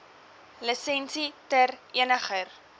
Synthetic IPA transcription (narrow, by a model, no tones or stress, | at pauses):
ləsɛnsitɛriənəχər